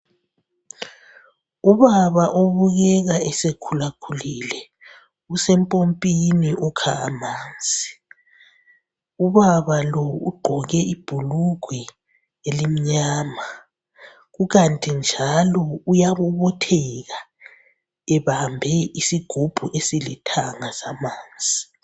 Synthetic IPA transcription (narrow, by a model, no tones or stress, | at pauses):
uβaβaʔoβuɣɛɣaɛsekʰulakʰulilɛ | usɛmpʼompʼiniʔukʰa̰a̰maːnd͡zʼʱi̥ | uβaβalɔṵɡ͡ǃʱɔɣɛib̥ʱuluɡ̥ʱwɛ | elim̩ɲaːma | ɣuɣantʼind͡ʒʱalɔujaβuβɔtʰɛɣa | ɛβambʱɛisiɡ̥ʱub̥ʱuʔesilitʰaŋasamaːnd͡zʱi